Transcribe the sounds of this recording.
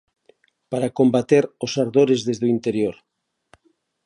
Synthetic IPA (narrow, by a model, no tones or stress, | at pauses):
paɾakombat̪eɾosaɾðoɾezðezðoint̪eɾjoɾ